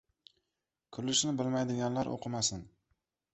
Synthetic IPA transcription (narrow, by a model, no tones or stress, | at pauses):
kʰʊɾlɪʃnɪbɪlmajd̪ɪɡʲanlaɾʔo̰qʰɨmasɪn